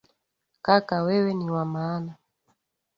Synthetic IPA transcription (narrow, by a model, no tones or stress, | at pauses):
kakawɛwɛniwamaːna